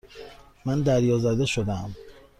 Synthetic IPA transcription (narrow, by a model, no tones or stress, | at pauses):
mænd̪æɾjɒːzæd̪e̞ʃod̪æm